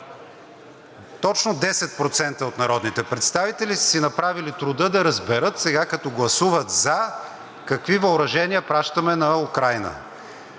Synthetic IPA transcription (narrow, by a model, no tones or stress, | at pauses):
t̪ɔt͡ʃnod̪ɛsɛt̪̚pɾot̪sɛnt̪əot̪nɐɾɔd̪nit̪ɛpɾɛt̪st̪avit̪ɛlissinɐpɾavilit̪ɾʊd̪ɤd̪ɐɾɐzbɛɾɤt̪sɛɡakɐt̪ɔɡlˠɐsuvɐt̪zɐ | kɐkvivɐʊɾɐʒɛniəpɾaʃt̪əmɛnɐukɾajnə̰